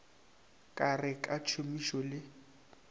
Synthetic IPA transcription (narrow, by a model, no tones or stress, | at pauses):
kʼarɪkʼat͡ʃʰʊmiʃɔlɪ